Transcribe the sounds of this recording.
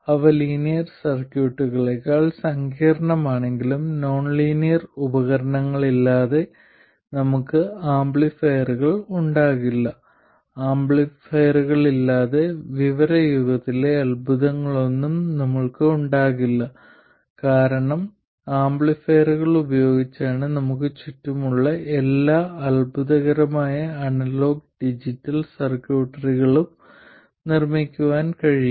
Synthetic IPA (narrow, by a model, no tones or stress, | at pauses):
ɐʋɐliːnijɐrsɐrkjuːʈːuɣɐɭekːaːɭsɐŋɡiːɾɐɳɐmaːɳe̞ŋɡilumno̞ːɳliːnijɐrubɐɣɐɾɐɳɐŋːɐɭilːaːðe̞ | nɐmukːɨaːmbɭifejɐruɣɐɭuɳɖaːɣilːɐ | aːmbɭifejɐruɣɐɭilːaːðe̞ʋiʋɐɾɐjuɣɐt̪ːile̞ɐlbʱuðɐŋːɐɭo̞nːumnɐmːɐɭkɨuɳɖaːɣilːɐ | kaːɾɐɳɐm | aːmbɭifejruɣɐɭubɐjo̞ːɡit͡ɕːaːɳɨnɐmuk̬ːɨt͡ɕutːumuɭːɐelːaːɐlbʱuðɐɣɐɾɐmaːjɐɐɳɐlo̞ːɡ̚ɖid͡ʑitːɐlsɐrkjuːʈːɐriɣɐɭum | nirmikʲːuʋaːnkɐɻiju